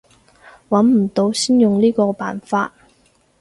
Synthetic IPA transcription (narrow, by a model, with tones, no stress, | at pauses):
wɐ˨˥nm̩˨˩t̪o˨˧wsiː˥njʊ˨ŋliː˥kɔː˧pa̰ː˨˩nfaː˧t̚